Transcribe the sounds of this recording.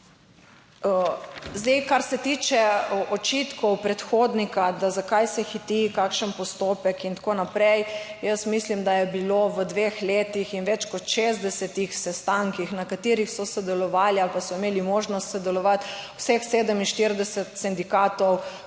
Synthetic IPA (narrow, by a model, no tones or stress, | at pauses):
zd̪ɛjkaɾsɛt̪it͡ʃɛɔt͡ʃit̪kɔwpɾɛt̪xod̪nikad̪azakajsɛxit̪ikaːkʃənpɔst̪oːpɛkint̪konapɾɛjjəsmislimd̪ajɛbiloʋəd̪ʋexleːt̪ixinʋɛt͡ʃkɔt̪ʃezd̪ɛsɛt̪ixsɛst̪aŋkixnakat̪iːɾixsɔsɛd̪ɛlɔʋaːlialpasɔimeːlimoʒnɔst̪sɛd̪ɛlɔʋat̪wsɛxseːd̪əminʃt̪iɾd̪ɛsɛt̪sɛnd̪ikaːt̪ɔw